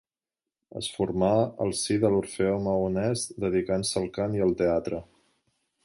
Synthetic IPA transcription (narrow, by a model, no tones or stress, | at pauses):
ə̰sfuɾmaə̰lˠsiðəluɾfeoməunɛsd̪əð̞ikansəlˠkaniəlˠt̪eat̪ɾə